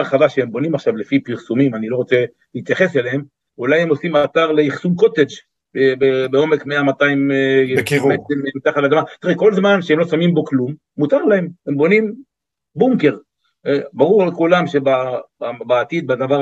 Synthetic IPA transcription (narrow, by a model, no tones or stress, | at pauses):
aʁχadaʃeembo̞nimaχʃavlefipiʁsumimanilo̞ʁo̞t͡se̞ | lit̪jaχe̞selehem | ulajhemo̞simat̪aʁleiχsumko̞t̪ed͡ʒ | bbebeo̞me̞kmeamat̪aim | meememit̪aχat̪lad̪amat̪iʁeko̞lzmanʃeemlosamimbo̞klumːut̪aʁlahe̞mhembo̞nim | buŋke̞ʁ | ebaʁuʁalkulamʃebaabaːt̪id̪̚bad̪avaʁ